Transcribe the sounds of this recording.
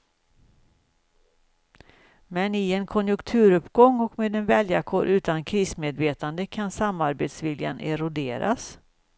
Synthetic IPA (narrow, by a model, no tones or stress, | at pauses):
mɛnɪɛnkʰɔnjɵŋkt̪ʰʉ̟ːɾɵpɡɔŋːɔkmeːd̪ɛnvɛljakʰoːɾʔʉ̟ːt̪ankʰɾiːsmeːd̪veːt̪and̪əkʰansamːaɾbeːt̪svɪlja̰nɛɾʊd̪eːɾa̰s